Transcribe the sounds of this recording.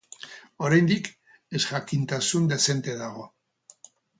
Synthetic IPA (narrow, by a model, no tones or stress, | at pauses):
o̞ɾajnd̪ik | esʝakint̪asund̪e̞se̞nt̪e̞ðaɣo̞